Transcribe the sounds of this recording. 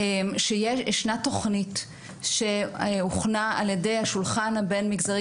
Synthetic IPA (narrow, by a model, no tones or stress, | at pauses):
emʃejeeʃnato̞χnit | ʃeeuχnaaljede̞jhaʃulχanhabe̞nmiɡzaʁ